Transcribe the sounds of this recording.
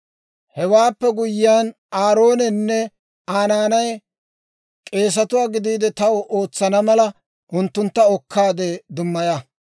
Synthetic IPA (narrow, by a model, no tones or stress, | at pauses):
hɛwaːpːɛɡʊjɪjaːn | aːɾo̞ːnɛnːɛ | aːnaːnɐj | kʼe̞ːs̬ɐt̪ʊwaːɡɪd̪iːd̪ɛt̪ɐwoːt͡sːɐnɐmɐlɐ | ʔʊnt̪ːʊnt̪ːɐɔkːaːd̪eːd̪ʊmːɐja